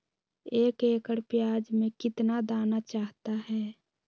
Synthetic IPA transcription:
eːkeːkəɽpjaːd͡ʒmẽkɪt̪nad̪aːnat͡ʃaːɦt̪aɦɛː

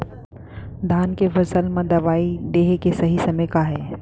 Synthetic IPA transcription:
d̪ʱaːnkefɐsəlmãd̪ɐʋaːid̪eːɦekesɐɦisɐməjkaɦɛː

